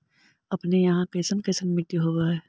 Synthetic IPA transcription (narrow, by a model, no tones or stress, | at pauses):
ɐpnejɐɦãkɐɪsənkɐɪsənmɪʈ̪iɦoɡaɦɛː